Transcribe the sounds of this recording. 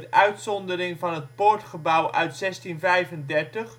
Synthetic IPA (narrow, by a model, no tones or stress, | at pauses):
tʔœɥtsɔndərɪŋvɑnɦətpʊɹtχəbʌwʔœɥtsɛstinvɛjvəndɛɹtəχ